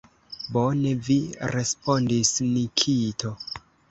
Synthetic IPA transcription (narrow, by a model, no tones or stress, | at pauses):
bo̞ne̞viɾe̞spo̞ndisnikʰito̞